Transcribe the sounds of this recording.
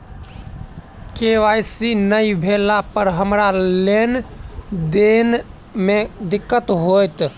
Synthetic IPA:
keʋajsinəjbʱelapəɾɦəmɾalen | d̪en | med̪ikːət̪ɦojt̪

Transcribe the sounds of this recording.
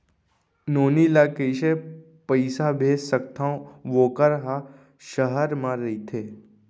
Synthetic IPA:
noːnilakəjʃe | pəɪsabʱesək̚t̪ʰãõʋoːkəɾɦa | ʃəɦəɾmãɾit̪ʰeː

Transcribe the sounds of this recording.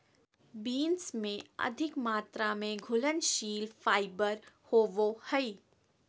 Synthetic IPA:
biːnsmẽɐ̰d̪ʱɪkmaːt̪ɾamẽɡʱʊlənʃiːlfaːɪbəɾhoːʋohɛiː

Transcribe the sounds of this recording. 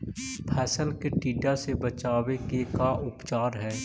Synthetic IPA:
pʰɛːsəlkeʈiːɖasebət͡ʃaːwekekaʔʊpt͡ʃaːɾɦɛː

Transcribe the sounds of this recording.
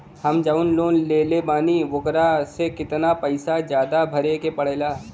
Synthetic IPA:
hɐmd͡ʒaʊnloːnleːlebaːniʋʊkɾasekɪt̪napɐɪsad͡ʒjaːd̪abʱɐɾekepɐɽ̤eːlaː

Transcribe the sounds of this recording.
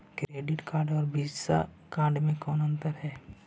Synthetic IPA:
kɾeːɖɪʈkaːɾɖɔːɾbʱid͡ʒsa̰ | kaːɾɖmẽkɔːnə̃nt̪əɾɦɛː

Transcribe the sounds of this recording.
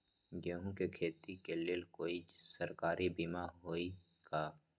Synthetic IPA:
jeɦũkekʰeːt̪ikeleːlkoːisəɾkaːɾʔibimaɦoːi | ɡaː

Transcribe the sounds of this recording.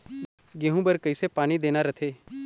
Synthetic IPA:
ɡeɦũbəɾkəɪsepaːnid̪eːnaɾət̪ʰeː

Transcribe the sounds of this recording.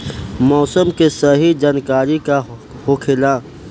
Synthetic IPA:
mɔːsəmkesɐɦid͡ʒaːnkaːɾikahʊkʰɪlãː

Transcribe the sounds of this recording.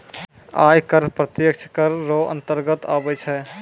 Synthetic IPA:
aːjkəɾpɾət̪jək̚t͡ʃʰkəɾːoə̰̃nt̪əɾɡət̪a̰ːbɛt͡ʃʰɛ

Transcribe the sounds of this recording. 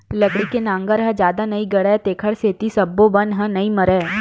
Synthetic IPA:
lɐɡɽikenãːŋɡəɾɦɐ̃d͡ʒjaːd̪anɐiɡɐɽɛːt̪eːkʰəɽseːt̪isɐbːobɐnɦɐ̃nɐĩmɐɾɛː

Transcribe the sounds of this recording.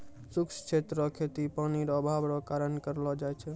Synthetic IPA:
sukst͡ʃʰet̪ɾəkʰet̪ipaniɾəbʱabɾɔkaɾənkəɾlɔd͡ʒajt͡ʃʰɛ

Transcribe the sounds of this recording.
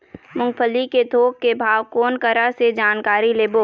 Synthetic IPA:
mʊ̃ŋɡpʰəliked̪ʱoːkkebʱaːʋkoːnkəɾased͡ʒaːnkaːɾileːboː

